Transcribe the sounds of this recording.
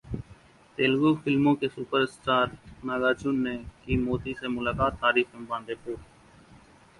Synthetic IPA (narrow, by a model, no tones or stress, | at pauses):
t̪eːlɡuːfɪlmõːkeːsupəɾɪsʈaːɾnaːɡaːt͡ʃuːnːeːkiːmoːt̪iːseːmʊlaːkaːt̪ʰːaːɾiːfɪmbãːnd̪eːpoːɾ